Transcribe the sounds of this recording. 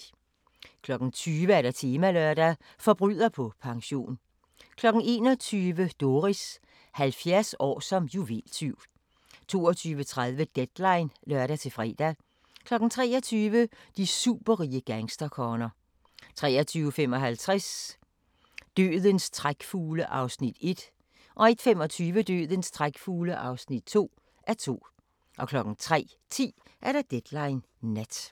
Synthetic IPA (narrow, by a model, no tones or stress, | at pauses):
kʰlɒ̽ɡ̥n̩t͡sʰyːʋəæɐɾ̥æt͡sʰe̝ːmælœɐd̥æ | fɒ̽b̥ʁy̰ð̰ˠɐpʰɒ̽pʰɑ̈ŋɕo̝̰ːn | kʰlɒ̽ɡ̥n̩e̝ːnɒ̽t͡sʰyːʋəd̥o̝ʁis | hælfjæɐsɒ̰ːsɒ̽mjuʋḛlt͡sʰyʊ̰ | t͡sʰo̝̰ːɐt͡sʰyːʋət͡sʰʁaðˠʋəd̥ed̥lɑ̈ɪnlœɐɾæt͡sʰe̝fʁɛ̰ːd̥æ | kʰlɒ̽ɡ̥n̩t͡sʰʁɛ̰ːɐt͡sʰyːʋəd̥isṵːb̥ɐʁiːəɡ̥æŋsd̥ɐkʰɒːnɐ | t͡sʰʁɛ̰ːɐt͡sʰyːʊəfemɒ̽ɦælt͡sʰʁas | d̥ø̰ːðˠənst͡sʰʁaɡ̥fuːləʔɑ̈ʊsnid̥e̝d̥ | ʔɒ̽e̝d̥femɒ̽t͡sʰyːʋəd̥ø̰ːðˠənst͡sʰʁaɡ̥fuːləʔɑ̈ʊsnid̥̚t͡sʰo̝̰ː | ʔæɐt͡sʰo̝̰ː | ʔɒ̽kʰlɒ̽ɡ̥n̩t͡sʰʁɛ̰ː | t͡sʰḭːʔæɐɾɑ̈d̥ed̥lɑ̈ɪn | ned̥